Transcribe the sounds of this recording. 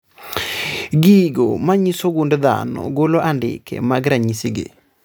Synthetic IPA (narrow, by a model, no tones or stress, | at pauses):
ɡiɡo̰maɲisoɡundd̪a̰nɔ̰ɡolɔʔandɪ̰kʰɛ̰maɡɾaɲisiɡḛ